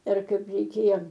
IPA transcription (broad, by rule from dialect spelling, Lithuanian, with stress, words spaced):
ˈɪr ˈkɐɪp rʲɛɪˈkʲeːjoː